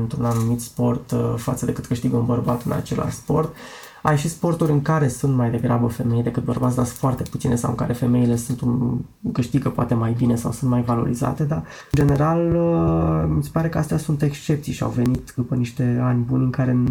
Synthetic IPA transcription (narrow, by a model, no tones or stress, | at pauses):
ɨnt̪ɾunanumit̪spo̞rt̪fa̰t̪səd̪e̞kɨt̪kɨʃt̪iɡəunbərbat̪ɨna̰t͡ʃe̞lʔa̰ʃspo̞rt̪ | ajʃispo̞rt̪uɾʲɨŋkaɾe̞sunt̪majd̪e̞ɡɾabəfe̞me̞jd̪e̞kɨt̪̚bərbat̪sd̪asunfoart̪e̞pu̥t̪sine̞sawɨ̰ŋka̰ɾe̞fe̞me̞ile̞sunt̪un | kɨʃt̪iɡəpoat̪emajbine̞sa̰wsunt̪majvalo̞̰ɾiza̰t̪e̞d̪a | ɨnd͡ʒe̞ne̞ɾaləmise̥paɾe̞kəast̪ejasunt̪e̞kst͡ʃe̞pt̪sijʃia̰wve̞nit̪d̪upəniʃt̪e̞anʲbunʲɨŋkaɾe̞